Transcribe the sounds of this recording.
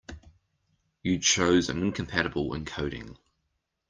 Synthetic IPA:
jədʃʰəʊzə̰̃nɪ̃nkʰə̃mpʰæɾəbəlˠɪ̰̃nkʰəʊɾɪ̰̃ŋ

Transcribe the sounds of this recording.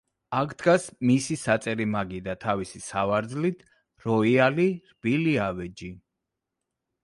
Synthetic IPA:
akʰd̪̥ɡasmisisat̪sʼɛɾimaɡid̪at̪ʰavisisavaɾd̪zlit̪ʰ | ɾɔialiɾb̥iliavɛd͡ʒi

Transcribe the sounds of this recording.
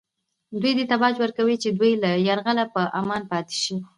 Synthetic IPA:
d̪wujd̪et̪abɑd͡ʒwəɾkawit͡ʃed̪wujlajaɾɣalapəʔamɑnpɑt̪e̥ʃi

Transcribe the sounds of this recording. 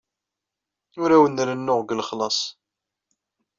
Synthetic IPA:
ʊɾæwənɾənːʊʁɡəlχlɑsˤ

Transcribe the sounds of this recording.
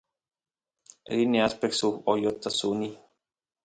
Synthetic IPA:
ɾiniaspɛkt̪suojot̪ːasuni

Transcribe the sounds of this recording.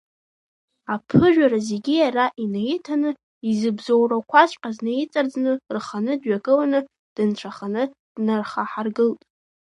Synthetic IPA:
apʰɨʒᶣaɾazeɡʲijaraʔinaitʰanɨ | izɨbzowrakʷʰaʃʷʼqʼaznajit͡sʼard͡znɨrχanɨdɥaɡʼɨlanɨ | d̥ɨnt͡ʃʷʰaχanɨ | d̥narχaħarɡɨltʼ

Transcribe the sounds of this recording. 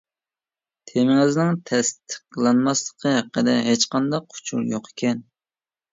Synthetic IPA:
t̪ʰemɪŋɪznɪŋt̪ʰɛst̪ʰɨq̚lˠɑnmɑslˠəqʰəɦæqːəd̪ɛ̰ɦet͡ʃqɑnd̪ɑqʰːʊ̥t͡ʃʰṵɾjoqe̥kʲɛn

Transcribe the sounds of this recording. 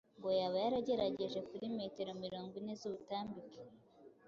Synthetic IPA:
ŋɡo̞jaβajaɾaɟe̞ɾaɟe̞ʒe̞kuɾime̞te̞ɾo̞miɾo̞ːŋɡwine̞zuβutaːmbike̥

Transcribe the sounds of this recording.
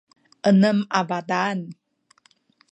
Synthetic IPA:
ʔənəmavadan

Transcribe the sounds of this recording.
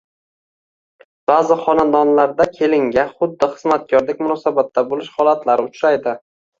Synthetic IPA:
b̥aːzɪχɒnad̪ɒnlaɾd̪akʲʰe̞lɪŋɡʲaχʊd̪ːɪχɨzmat̪̚ɡʲɒɾlɪk̚ʲmʊnɒsabat̪ʰːabolɪʃhɒlˠat̪laɾɪʊt͡ʃɾajd̪ɪ

